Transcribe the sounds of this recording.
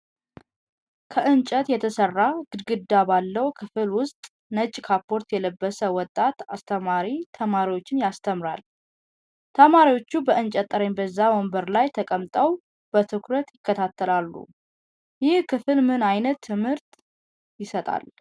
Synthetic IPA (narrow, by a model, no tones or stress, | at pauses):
kʰəʔɨnt͡ʃʼət̪jɛt̪ʰəsərːaɡɨd̪ɡɨd̪ːabalːəwkʰɨfɨlwʊst̪ʼ | nət͡ʃʼːkʰapʰːo̞ɾt̪jɛləbːəsəwɔt̪ʼːat̪ast̪ʰəmaɾit̪ʰəmaɾiwo̞t͡ʃːɪnjast̪ʰəmɾa̰l | t̪ʰəmaɾiwo̞t͡ʃːubəʔɨnt͡ʃʼət̪ʼːəɾeɲbəzːawɔmbəɾlajt̪ʰəkʼəmt̪ʼəw | b̥ət̪ʰɨkʰɾət̪jɪkːət̪ʰat̪ʰːəlalːṵ | jɪhkʰɨfɨlmɨnajnət̪ʰːɨmhɨɾt̪ | jɪsət̪ʼa̰l